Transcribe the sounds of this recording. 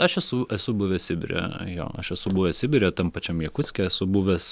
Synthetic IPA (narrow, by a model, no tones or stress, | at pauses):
ɐʃɛsʊʔɛsʊbʊʋʲɛɐtsʲɪbʲɪ̰ɾʲḛjo̰ːɐʃɛsʊbʊːʋʲɛɐtsʲɪbʲɪɾʲeːt̪ɐmpɐt͡ʃʲɛmiɛkʊt͡s̪ʲkʲɛɛsʊbuːʋʲɛs